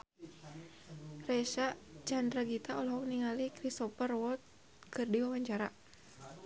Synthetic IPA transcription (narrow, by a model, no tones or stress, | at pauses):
rɛʃat͡ʃandɾaɡit̪aɔlɦɔk̚niŋalikɾist̪ɔpərwɔlt̪̚ | kɨrdiwawaɲt͡ʃaɾa